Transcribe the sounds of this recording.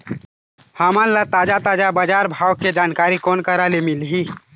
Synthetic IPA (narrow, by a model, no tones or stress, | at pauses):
haːmãnlat̪aːd͡ʒat̪aːd͡ʒabaːd͡ʒaːɾbʱaːwkːed͡ʒaːnkaːɾikɔːnkaɾalemɪlɦiː